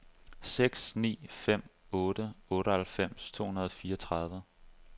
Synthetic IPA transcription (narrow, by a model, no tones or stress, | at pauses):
seɡ̥snḭːfem̰ɔ̽ːɾ̥əɔ̽ːɾəhælfem̰st͡sʰo̝̰ːhunɐð̞ˠɒfiːɐɒt͡sʰʁɑ̈ðˠʋə